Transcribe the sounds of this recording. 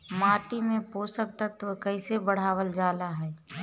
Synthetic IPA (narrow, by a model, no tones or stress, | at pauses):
maːʈimẽpoːsək̚t̪ət̪ʋkəɪsebəɽ̤aːʋəld͡ʒaːlaɦɛː